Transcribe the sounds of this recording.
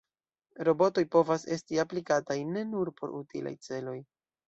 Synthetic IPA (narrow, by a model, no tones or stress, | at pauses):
ɾo̞bo̞to̞jpo̞vase̞stiaplikatajne̞nuɾpo̞̰ɾʔutilʔa̰jt͡se̞lo̞j